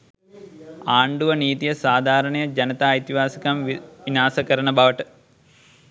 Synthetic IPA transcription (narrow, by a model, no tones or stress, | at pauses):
aːɳɖuʋɐniːt̪ijɐsaːd̪ʱaːɾɐɳɐjɐd͡ʒɐnɐt̪aːjt̪iʋaːsɐkamʋinaːsɐkɐɾɐɳɐbaʋɐʈɨ